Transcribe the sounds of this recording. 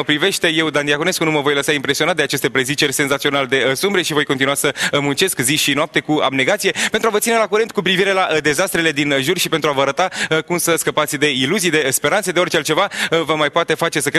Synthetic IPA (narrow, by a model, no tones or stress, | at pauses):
əpɾive̞ʃt̪e̞je̞wd̪aniakune̞skunuməvo̞jləsaimpɾe̞sioat̪̚d̪eat͡ʃe̞st̪epɾe̞zit͡ʃe̞rʲse̞nzat̪sio̞nald̪e̞sumbɾeʃivo̞jkoninuasəmunt͡ʃe̞skziʃinoap̚t̪e̞kua̰bne̞ɡat̪sije̞pe̞nt̪ɾuwavət̪sine̞lakuɾent̪̚kup̬ɾiviɾe̞lad̪e̞zast̪ɾe̞le̞d̪inʒurʃipent̪ɾuavəaɾət̪akumsəskəpat̪sʲd̪e̞iluzijd̪e̞spe̞ɾansed̪eo̞rʲt͡ʃealt͡ʃe̞vaəvəmajpoat̪e̞fat͡ʃe̞səkɾ